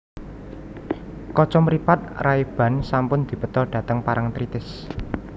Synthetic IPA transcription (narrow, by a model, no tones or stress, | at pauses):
kɔt͡ʃɔmɾipat̪̚raib̥ä̤nsampʊnd̪̥i̤pət̪ɔɖ̥a̤t̪əŋpaɾʔaŋt̪ɾit̪ɪs